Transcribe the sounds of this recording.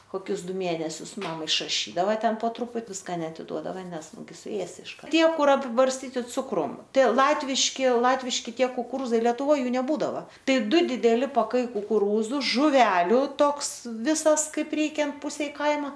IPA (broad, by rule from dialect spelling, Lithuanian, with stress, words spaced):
koːˈkʲʊs ˈdʊ ˈmʲeːnʲɛsʲʊs ˈmɐm ɪʃrɐˈʃʲiːdɐʋɐ ˈtʲɛn poː ˈtrʊpʊt ˈʋʲɪskɐ nʲɛɐtʲɪˈduɔdɐʋɐ ˈnʲɛs ˈnʊɡʲɪ sʊˈeːsʲɪ ɪʃˈkɐr ˈtʲiɛ ˈkʊr ɐpʲɪbɐrʲsʲˈtʲiːtʲɪ ˈt͡sʊkrʊm ˈtɐɪ ˈlˠɑːtʲʋʲɪʃʲkʲɪ ˈlˠɑːtʲʋʲɪʃʲkʲɪ ˈtʲiɛ kʊkʊˈruːzɐɪ lʲɛˈtʊʋoːj ˈjuː nʲɛˈbuːdɐʋɐ ˈtɐɪ ˈdʊ dʲɪdʲɛˈlʲɪ pɐˈkɐɪ kʊkʊˈruːzʊ ʒʊˈʋʲæːlʲʊ ˈtoːks ˈʋʲɪsɐs ˈkɐɪp ˈrʲɛɪkʲɛnt ˈpʊsʲɛɪ ˈkɐɪmɐ